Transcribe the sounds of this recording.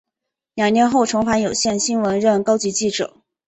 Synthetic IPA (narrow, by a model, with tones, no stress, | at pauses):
ljɑ˨˩ŋnjɛ˧˥nxo˥˩ʊʈ͡ʂʰʊ˧˥ŋfa˧˥njo˨˩ʊɕjɛ˥˧nɕi˥nwə˧˥nɻə˥˩nkɑ˥ʊt͡ɕi˧˥t͡ɕi˥˩ʈ͡ʂɤ̰˨˩˦